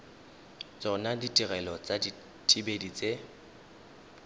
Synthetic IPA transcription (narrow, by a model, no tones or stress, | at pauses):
t͡sʼɔnaditʼiɣɛlɔt͡sʼadi | tʼibedit͡sʼe